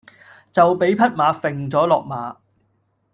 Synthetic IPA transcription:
t͡sɐ˨wpe˨˥jpʰɐ˥t̚maː˨˧fɪ˨ŋt͡sɔː˨˥lɔː˨k̚maː˨˧˥

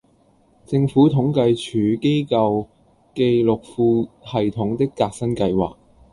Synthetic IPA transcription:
t͡sɪ˧ŋfuː˨˥t̪ʰʊ˨˥ŋkɐ˧jt͡ʃʰyː˨˥ke˥jkɐ˧w | ke˧jlʊ˨k̚fuː˧hɐ˨jt̪ʰʊ˨˥ŋt̪ɪ˥kːaː˧k̚sɐ˥nkɐ˧jwa̰ː˨˩k̚

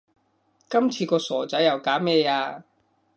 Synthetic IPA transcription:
kɐ˥mt͡sʰiː˧kɔː˧sɔː˨˩t͡sɐ˨˥jɐ˨˩wkaː˨˥mɛː˥˧jaː˧

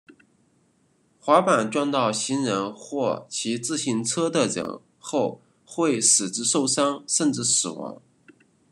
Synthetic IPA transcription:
xwa˧˥pa˨˩nʈ͡ʂwɑ˥˧nt̪ɑ˥˩ʊɕi˧˥nɻə˧˥nxwɔ˥˩t͡ɕʰi˧˥t͡sɹ̩˥˧ɕi˥˩nt͡sʰɤ˥d̪ə˨ʈ͡ʂɤ̰˨˩ŋ | xo˥˧ʊ | xwe˥˩ɪʂɹ̩˨˩ʈ͡ʂɻ̩˥˧ʂo˥˩ʊʂɑ˥ŋʂə˥˧nʈ͡ʂɻ̩˥˩sɹ̩˨˩wɑ̰˧˥ŋ

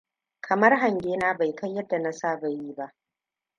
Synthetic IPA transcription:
kʰɐ˨mɐ˦rɦa˨ŋɡʲeː˦naː˦ba˨jka˦jːɐ˦dːa˨na˦saː˦˨ba˨jiː˦ba˦ʔ

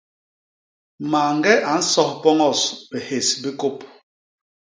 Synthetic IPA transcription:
ma˨ŋ˦ɡɛ˦ʔa˨n̩˦sɔ˦hpɔ˦ŋɔ˦˨sbɛ˨he˨sbi˦ko˦˨p̚

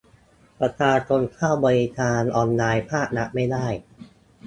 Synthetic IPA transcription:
pɾa˧t͡ɕʰaː˧t͡ɕʰo˧nkʰaː˥˩wbɔː˧ɾi˦˧kʰaː˧nʔɔː˧nːaː˧jpʰaː˥˩k̚na˦˥ʔma˥˩jdaː˥˩j

